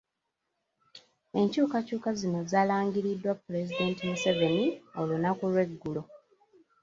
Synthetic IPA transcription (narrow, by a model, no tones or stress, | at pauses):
e̞ɲcuːkacuːkazino̞zaːlaːŋɡiɾidːwapːule̞zide̞ntimuse̞ve̞nio̞lunakulwe̞ɡːulo̞